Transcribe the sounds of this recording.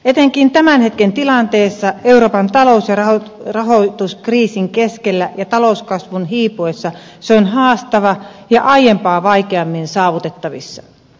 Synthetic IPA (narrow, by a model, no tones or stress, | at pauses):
et̪eŋkint̪æmænhet̪kent̪ilɑnt̪eːsːɑeuroːpɑnt̪ɑlousjɑrɑorɑɦot̪uskriːsiŋkeskelːæjɑt̪ɑlouskɑsʋunɦiːpuesːɑ | seonʲɦɑːst̪ɑʋɑjɑʔɑijempɑːʋɑikeɑmːinsɑːʋut̪et̪ːɑʋḭsːɑ